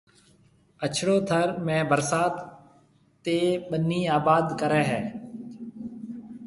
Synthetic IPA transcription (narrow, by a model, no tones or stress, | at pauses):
ət͡ʃʰɽoːt̪ʰəɾmɛ̃ːbəɾsaːt̪ː | eːɓənːiːaːbaːd̪kəɾɛ̃ːɦɛ̃ː